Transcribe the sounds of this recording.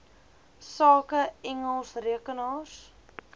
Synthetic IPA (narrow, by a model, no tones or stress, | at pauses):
sɑːkəɛŋəlˠsriəkənɑːs